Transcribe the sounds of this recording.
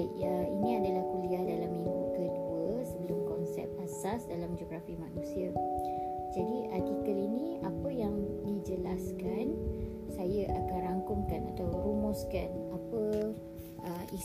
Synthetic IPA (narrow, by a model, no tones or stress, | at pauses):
əinĩadəlahkuliahdalamiŋɡukəduəsəbəlʊmkɔnsɛ̰p̚asasdalamd͡ʒɔɡɾafikmanũsia | d͡ʒadiʔak̪itəlinĩapəjaŋdid͡ʒəlaskan | sajaʔakanraŋkʊŋkanat̪awɾumɔskanapə | ʔəi